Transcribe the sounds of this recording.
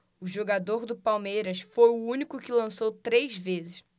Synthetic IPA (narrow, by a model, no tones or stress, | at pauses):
ʊʒoɡad̪oɾd̪ʊpawmejɾɐsfojʊũnikʊkɪlɐ̃sowt̪ɾejzvezɪʃ